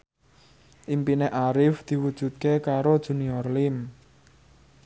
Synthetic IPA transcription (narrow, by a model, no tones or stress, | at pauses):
ʔimpineʔaɾɪfd̪̥i̤wud̥ʒ̥ṳt̪̚kekaɾod̥ʒ̥ṳniɔrlɪm